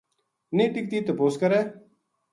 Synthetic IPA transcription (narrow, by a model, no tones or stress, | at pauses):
nẽːʈɪk̚t̪iːt̪opoːskəɾeː